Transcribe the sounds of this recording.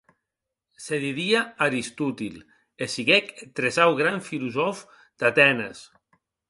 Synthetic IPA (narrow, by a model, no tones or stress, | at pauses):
seðiðiaaɾist̪ut̪il | esiɣekt̪ɾezawɣɾaɱfiluzɔf | d̪̥at̪ɛnas